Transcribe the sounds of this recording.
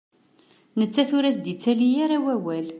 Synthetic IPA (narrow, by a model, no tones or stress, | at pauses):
nət͡sːæθʊɾæsd̪it͡sːælijaɾawæwæl